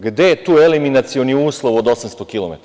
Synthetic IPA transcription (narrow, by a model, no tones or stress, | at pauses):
ɡd̪eet̪uːeliminat̪sioniuːslˠo̞ʋod̪o̞samst̪o̞kilˠomḛt̪